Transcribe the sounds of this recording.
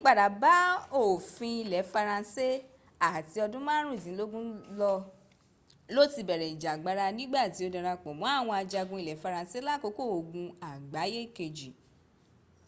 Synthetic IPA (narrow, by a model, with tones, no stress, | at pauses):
k͡pa˨da˨˦ba˨˦o˦˨fĩ˧i˧lɛ˨˦fa˧ɾã˧se˦ | a˦˨ti˧ɔ˧dũ˦mãː˦ɾ̃ũ˦i˦˨tĩ˨˦lo˦ɡũ˦lɔ˧ | lo˦˨ti˧bɛ˨ɾɛ˨i˨d͡ʒa˨ɡ͡ba˨˦ɾa˧nĩ˦ɡ͡ba˦˨ti˨˦o˧dã˧ɾa˧k͡pɔ̃˨mɔ̃˨˦a˦˨w̃ɔ̃˧a˧d͡ʒa˧ɡũ˧i˧lɛ˨˦fa˧ɾã˧se˦la˦˨ko˧˦ko˦˨o˨ɡũ˧a˨ɡ͡ba˨˦je˦˨ke˧d͡ʒi˨